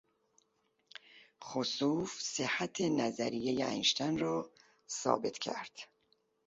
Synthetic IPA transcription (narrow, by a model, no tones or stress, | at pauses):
χosuːfsehæt̪ʰenæzæɾijejeæ̰nʃt̪ʰænrɒː | sɒ̰ːbe̞t̪ʰcʰæ̰ɾd̪̥